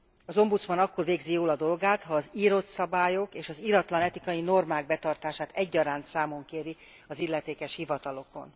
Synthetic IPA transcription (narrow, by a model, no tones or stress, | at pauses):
ɒzo̞mbut̪smɒnɒkːo̞rveːɡzijoːlɒd̪o̞lɡaːt̪hɒːziːɾo̞t̪sɒbaːjo̞keːʃɒziɾɒt̪lɒnɛt̪ikɒjino̞rmaːɡ̚bɛt̪ɒrt̪aːʃaːt̪ɛɟːɒɾaːnt̪saːmo̞ŋkeːɾi | ɒzilːɛt̪eːkɛʃhivɒt̪ɒlo̞ko̞̰n